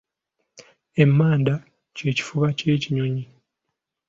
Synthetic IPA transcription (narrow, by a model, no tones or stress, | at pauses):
e̞mːaːnda | ce̞ːci̥fuβace̞ːciɲoɲi